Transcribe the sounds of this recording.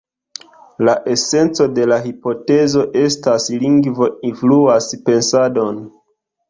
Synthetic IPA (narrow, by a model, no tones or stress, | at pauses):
laʔe̞se̞nt͡so̞de̞laɦipo̞te̞zo̞ʔe̞stasliŋɡvo̞influaspe̞nsado̞n